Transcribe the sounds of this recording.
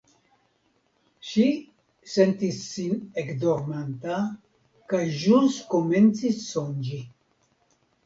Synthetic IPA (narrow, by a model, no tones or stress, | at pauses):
ʃi | sent̪isːinekd̪oɾmant̪a | kajʒuskoment͡sisːond͡ʒi